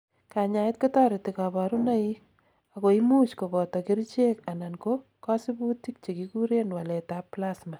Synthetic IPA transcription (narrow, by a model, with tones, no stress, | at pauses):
ka˨ɲa˨ɪ˦t̚ko˦tɔ˦ɾɪ˨tɪkabaɾu˦na˦i | ako˨imu˦t͡ʃko˨bɔtɔki˦ɾt͡ʃe˦ka˨na˨nko | kɑ˦si˦bu˦ti˦k̚t͡ʃe˨kiku˦ɾe˦nwa˨lɛ˨tapːlasma˨